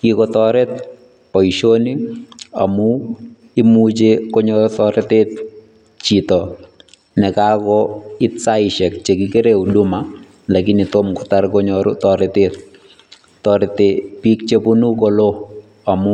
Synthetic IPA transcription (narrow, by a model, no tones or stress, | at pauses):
kikɔt̪ɔɾɛt̪̚ | pɔiʃonia̰mʊ | imut͡ʃekɔɲɔɾtɔɾɛt̪et̪ | t͡ʃitɔ | nɛkakɔɪtsaɪʃɛk̚t͡ʃekɪkeɾeuduma | lakɪnɪtomkɔtaɾkɔɲɔɾʊ̰tɔɾɛt̪et̪̚ | tɔɾɛt̪epik̚t͡ʃepunukɔlo | amʊ